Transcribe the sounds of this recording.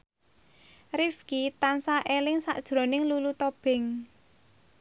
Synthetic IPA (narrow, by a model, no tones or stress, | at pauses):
rifkit̪ansaʔelɪŋsa̰ʔd̥ʒ̥ɾo̤nɪŋlulut̪ob̥ɪ̤ŋ